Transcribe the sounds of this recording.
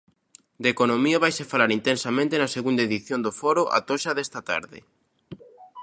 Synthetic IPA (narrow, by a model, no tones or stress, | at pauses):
d̪ekonõmioβajsefalaɾint̪ensamẽnt̪enaseɣund̪aeðiθjond̪ofɔɾʊʔa̰t̪oʃaðɛst̪ɐt̪a̰ɾðɪ̰